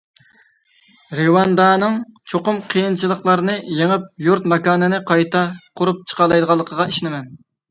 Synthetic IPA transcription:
ɾewɑnd̪ɑːnɨŋt͡ʃʰoqʊmqʰijint͡ʃʰilˠəχlˠɑɾɨnɨjeŋɪp̚juɾt̪mɑkɑːnɨnɨqʰɑjt̪ʰɑqʰʊɾup̚t͡ʃʰə̥qʰɑlˠɑjd̪əʁɑlˠːəqʰəʁɑiʃinɪmɛn

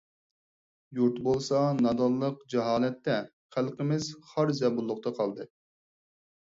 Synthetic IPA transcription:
juɾt̪bolˠsɑnɑd̪ɑlˠːəqd͡ʒɛɦɑːlɛt̪ːɛ | χælˠqɪmɪz̥χɑɾzɛbulˠːʊqt̪ɑqʰɑlˠd̪ɨ

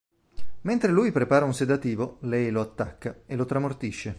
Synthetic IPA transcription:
ment̪ɾelujpɾepaːɾaunsed̪at̪iːvolɛjloat̪ːakːaelːot̪ɾamort̪iʃːe

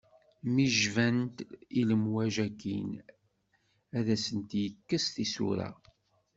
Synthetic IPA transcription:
miʒvænt̪iləmwæʒækin | æðæsənt̪jəkːəst̪isṵɾæ̰

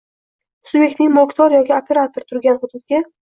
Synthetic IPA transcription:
subje̞k̚ʲt̪nɪŋʲmokt̪ʰɒɾjɒkʲɪopʰe̞ɾat̪oɾt̪ʰʊɾɡʲanχʊd̪ʊd̪̚ɡʲa

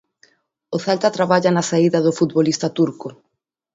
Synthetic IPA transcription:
oθalt̪at̪ɾaβaʎanasaiðɐðʊfut̪βolist̪ɐt̪uɾkʊ

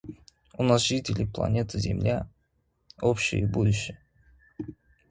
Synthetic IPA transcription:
unasʒit̪ʲɪlʲɪplˠa̰nʲe̞t̪ʰəzʲɪ̰mlʲa | opɕɪ̰jəbud̪uɕːɪ

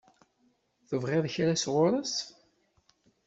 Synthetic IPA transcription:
θəvʁeðçɾæsʁʊɾˤəs

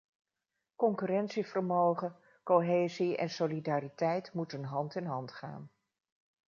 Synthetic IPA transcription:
kɔŋkyrɛntsivəɹmowχə | koɦeːziɛ̰nsolidaːritɛjtmutənɦɑntɪnɦɑntχa̰ːn

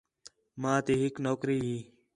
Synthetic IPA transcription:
mãːt̪eːɦɪknoːkɾiːɦiː

